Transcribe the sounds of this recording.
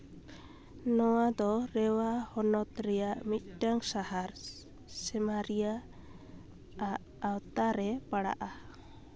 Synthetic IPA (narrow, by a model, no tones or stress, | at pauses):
nɔwad̪ɔɾɛwahɔnɔt̪ɾɛjaʔmit̪̚ˀʈaŋsahaɾ | sɛmaɾija | aʔːwt̪aɾɛpaɽa̰ʔa